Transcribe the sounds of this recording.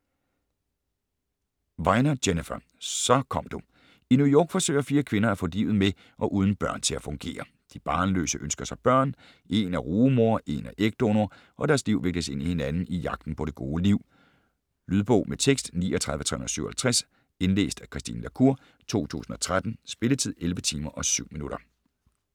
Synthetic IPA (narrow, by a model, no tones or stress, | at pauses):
ʋɑ̈ɪnɐd̥enefɐ | sɒ̽kʰɒ̽m̰d̥u | inujɔ̰ːɡ̥fɒ̽sø̰ɪɐfiːɐkʰʋe̝nɐæfɔ̽liʊð̩ˠme | ʔɒ̽ʔuːð̞ˠn̩b̥ɶɐ̰nt͡sʰe̝læfɔ̽ŋɡ̥e̝̰ːɐ | d̥ib̥ɑ̈ːnlø̰səʔønsɡ̥ɐsɑ̈ɪb̥ɶɐ̰n | e̝næʁuːmo̝ɐʔe̝næʔeɡ̥̚d̥o̝no | ʔɒ̽dæɐsliʊ̰ʋeɡ̥̚d̥əse̝nihe̝nænn̩ijɑ̈ɡ̥d̥n̩pʰɒ̽ɾ̥e̝ɡ̥o̝ːliʊ̰ | lyðˠb̥ɔʊmet͡sʰeɡ̥sd̥nḭːɒt͡sʰʁɑðˠʋət͡sʰʁɛhun̩ˠsyʊ̰ɐhælt͡sʰʁas | e̝nle̝̰ːsd̥ækʰʁisd̥ḭːnlækʰuɐ̰ | t͡sʰo̝̰ːt͡sʰṵːsn̩ɒ̽t͡sʰʁad̥n̩sb̥e̝lət͡sʰið̞̰ˠelʋət͡sʰiːmɐʔɒ̽syʊ̰minuɾ̥ɐ